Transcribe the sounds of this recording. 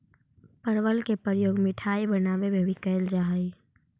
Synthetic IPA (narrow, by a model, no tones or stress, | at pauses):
pəɾwəlkepəɾəjoːɡmɪʈʰaːibənaːʋebʱebʱikəjld͡ʒaɦi